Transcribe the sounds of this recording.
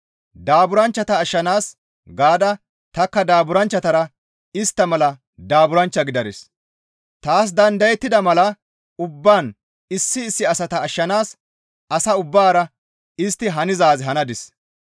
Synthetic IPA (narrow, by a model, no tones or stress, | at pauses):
d̪aːbʊɾɐnt͡ʃːɐt̪ɐːʃːɐnaːs | ɡaːd̪ɐ | t̪ɐkːɐd̪aːbʊɾɐnt͡ʃːɐt̪ɐɾɐ | ɪst̪ːɐmɐlɐ | d̪aːbʊɾɐnt͡ʃːɐɡɪd̪ɐɾɪs | t̪aːs̬d̪ɐnd̪ɐjɛt̪ːɪd̪ɐmɐlɐ | ʊbːaːn | ɪsːɪːsːɪɐsɐt̪ɐːʃːɐnaːs | ɐsɐʊbːaːɾɐ | ɪst̪ːɪɦɐnɪzaːzɪɦɐnɐd̪ɪs